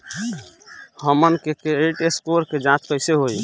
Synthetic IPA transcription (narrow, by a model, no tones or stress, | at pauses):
həmənkekeeʈeskoɾked͡ʒãt̪kəɪseɦoj